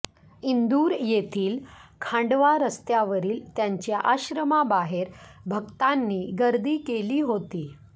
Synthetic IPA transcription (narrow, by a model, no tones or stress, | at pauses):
ind̪uːɾjet̪ʰiːlkʰãɳɖʋaɾəst̪jaʋəɾiːlt̪jaɲt͡ɕjaʔaɕɾəmabaɦeɾbʱəɡt̪anːiːɡəɾd̪iːkeliːɦot̪iː